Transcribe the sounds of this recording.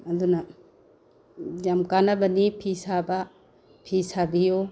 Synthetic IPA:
ɐd̪unɐ | jamkanɐbɐnipʰisaba | pʰisabijo

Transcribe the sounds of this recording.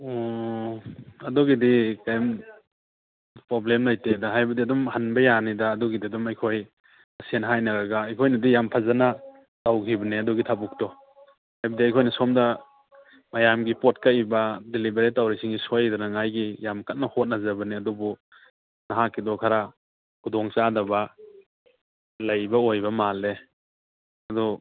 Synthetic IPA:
ɔ | ɐdɔɡidikajm | pɾɔblemlajtedaɦajbɐdiɐdɔmhanbɐjanidaːdɔɡidiɐdɔmajkʰoj | ɐsenɦajnɐɡaɡaːjkʰojnɐdijampʰazana | tawkʰibɐniɐdɔɡitʰabuk̚tɔ | hajbɐdiɐjkʰojnɐsɔmdɐ | majamɡipɔt̚kaibɐdilibeɾitawɾisiŋisojdanaŋajɡijamkat̚nɐhot̚nazabɐniɐdɔbu | naɦakːidɔkʰaɾa | kʰudɔŋt͡ʃadɐba | lajbɐojbɐmale | ɐdɔ

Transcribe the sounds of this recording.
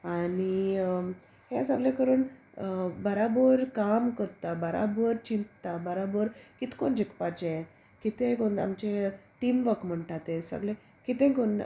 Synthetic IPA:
ani | hẽsəɡlẽkəɾuːn | bəɾabəɾkamkəɾt̪abəɾʔa̰bəɾt͡ɕint̪t̪abəɾabəɾkit̪kond͡ʑikpat͡ɕeɛ | kit̪ẽkona̰mt͡ɕeʈimʋəkm̤əɳʈat̪ẽsə̰ɡlẽ | kit̪ẽkon

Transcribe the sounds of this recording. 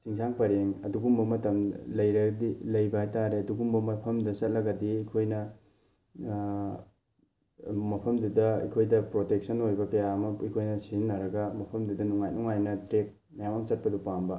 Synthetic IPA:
siŋsʰaŋpɐɾeŋɐduɡumbɐmɐtɐmlɐjɾɐɡdilɐjbɐhajtaɾeɐduɡumbɐmɐpʰɐmdɐsɐt̚lɐɡɐdiɐkʰojnɐ | mɐpʰɐmdudɐḭkʰojdɐpɾotek̚sɐnojbɐkɐjaɐmɐijkʰojnɐsizinːɐɾɐɡɐmɐpʰɐmdudɐnuŋajnuŋajnɐtɾek̚ | mɐjamaŋsɐt̚pɐdupambɐ

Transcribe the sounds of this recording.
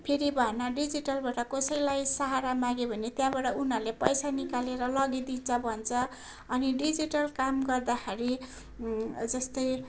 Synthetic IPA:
pʰeɾibʱʌnaɖid͡ziʈʌlbaʈʌkʌsʌjlajsaɦaɾamãɡebʱʌnet̪jãbaɽaunɦʌrlepʌjsanikaleɾʌlʌɡid̪int͡sʰʌbʱʌnt͡sʰʌ | ʌniɖid͡ziʈʌlkamɡʌrd̪axʰeɾi | d͡zʌst̪ʌj

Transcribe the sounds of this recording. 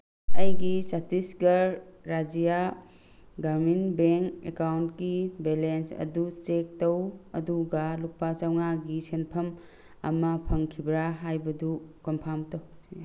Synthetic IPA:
ɐjɡisatisɡɐɾː | ad͡ʒija | ɡaɾminbeŋkekawntkibelensɐ̰dut͡ʃek̚tɐwɐduɡɐluk̚pat͡ʃawŋaɡisʰenpʰɐm | ɐ̰mɐpʰɐŋkʰibɾaɦajbɐdukɐmpʰamtɐw

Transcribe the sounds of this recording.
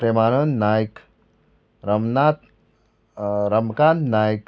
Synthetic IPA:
pɾemaːɾənnajk | ɾɐmnat̪ | ɾɐmkannaːjk

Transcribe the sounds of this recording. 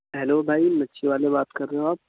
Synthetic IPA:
ɦɛloːbʱaːimɐtːʃʰeʋaːlebaːt̪kɐɾːẽaːp̚

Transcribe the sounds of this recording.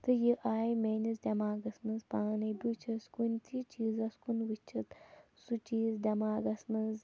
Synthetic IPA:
t̪ɨjiʔaːjmeːnizd̪ʲɐmaːɡɐsmɨnzpaːnɐbʲut͡ʃʰɐskunʲt̪ʰit͡ʃiːzɐskunʋɨt͡ʃʰit̪ | sut͡ʃiːzd̪ʲɐmaːɡɐsmɐnz

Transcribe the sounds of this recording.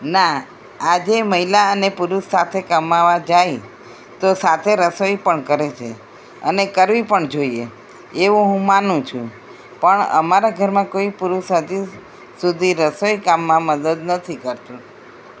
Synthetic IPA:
na | ad͡ʒeməɦilaənepuɾuʃːat̪ʰekəmaʋad͡ʒaj | t̪osat̪ʰeɾəsojpəɳkəɾet͡ʃʰḛ | ə̰nekəɾʋipəɳd͡ʒoie | eʋũɦũmanũt͡ʃʰũ | pəɳə̰maɾaɡʱəɾmãkoipuɾusɦəd̪i | sud̪ʱiɾəsojkamːãməd̪əd̪nət̪ʰikəɾt̪ũ

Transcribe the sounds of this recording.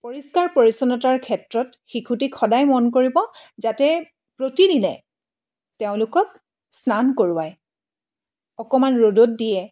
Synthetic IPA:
poɹiskaɹpoɹisɔnɔtaɹkʰɛtɹɔt | xikʰutikʰɔdajmɔnk̬oɹibɔzatɛ | pɹotidilɛ̰ | teʊ̃lʊkɔk̚ | snankoɹʊwaj | ɔkɔmanɹodot̚dijɛ

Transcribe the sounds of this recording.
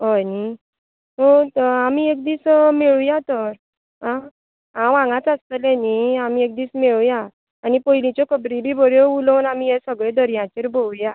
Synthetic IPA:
ɦɔjni | ɦot̪amiek̚d̪iːsmeɭujat̪əɾ | ɦã | ɦãʋãŋɡat͡sast̪əlɛniamiek̚d̪iːsmeɭujaː | nipojlĩt͡ɕjɔkəbɾibibʱəɾjɔulɔwnamijɛsəɡɭẽd̪ʱəɾjãt͡ɕeɾbʱoluja

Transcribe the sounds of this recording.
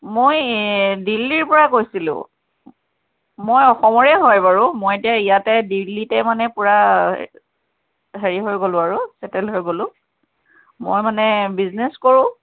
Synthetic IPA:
mojdilːiɹpɔɹakojsilʊ̰̃ | mojɔxɔmɔɹɛɦɔjbaɹʊ̃mojetijaijatɛdilːitɛmanɛpʊɹa | ɦeɹiɦojɡolʊ̃aɹusɛtɛlɦojɡolʊ̃ | mo̰jmanɛbizneskoɹʊ̃

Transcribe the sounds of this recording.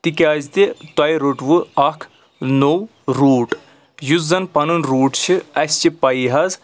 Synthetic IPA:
t̪ikʲaːzt̪it̪ɐjɾoʈʋɨɐkʰ | now | ɾuːʈ | juzɐnpɐnɨnɾuːʈt͡ʃʰiɐsʲt͡ʃipɐjɦɐz

